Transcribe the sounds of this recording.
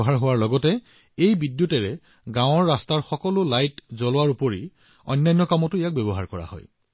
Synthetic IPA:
ɦaɹɦowaɹlɔɡɔtɛ | ejbidjutɛɹɛ | ɡãw̃ɔɹːastaɹxɔkɔlʊlajtzɔlʊwaɹupoɹḭ | ɔ̰jnːajnːɔkamɔtʊijak̚bɛbɔɦa̰ɹkɔɹa̰hɔ̰j

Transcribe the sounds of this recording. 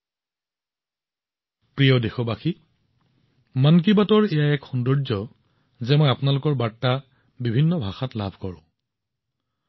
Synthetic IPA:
pɹijɔdexɔbaxi | mank̬ibatɔɹɛjaɛkxundɔɹzɔ | zɛmɔjapʊnalʊkɔɹbatːa | bibʱinːɔbʱaxatlabʱkɔɹʊ̰̃

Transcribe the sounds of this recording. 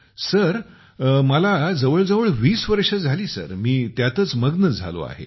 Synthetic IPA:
səɾ | məlad͡zəʋəɭd͡zəʋəɭʋiːsʋəɾʂəd͡zʱaliːsə̰ɾmiːt̪jat̪ət͡sməɡnəd͡zʱa̰lo̰a̰ɦḛ

